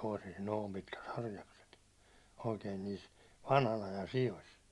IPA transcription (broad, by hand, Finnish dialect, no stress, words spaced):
toˑisis noːm pitkæt hɑrjɑkset oikeːn niːs ʋɑnhɑn ɑjɑn sijos